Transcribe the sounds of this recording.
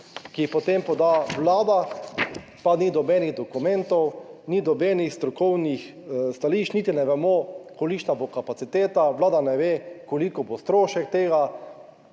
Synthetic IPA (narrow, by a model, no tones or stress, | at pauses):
kipɔt̪empɔd̪aʋlaːd̪a | panid̪ɔbɛːniɣd̪ɔkumɛnt̪ɔwnid̪ɔbɛːnixst̪ɾɔkɔwnix | st̪aliːʃt͡ʃniːt̪inɛʋɛmokolit͡ʃnabokapat̪sit̪eːt̪aʋlaːd̪anɛʋekolikɔbost̪ɾoːʃɛk̚t̪eːɡa